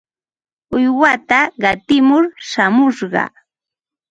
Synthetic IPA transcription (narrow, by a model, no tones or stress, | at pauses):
ʊjwat̪aɢɑt̪ɪmʊɾʃamʊʃɢɑ̰